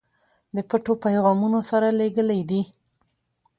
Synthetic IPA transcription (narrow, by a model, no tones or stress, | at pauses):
d̪əpəʈopajɣɑmunosaɾaleɡəlajd̪i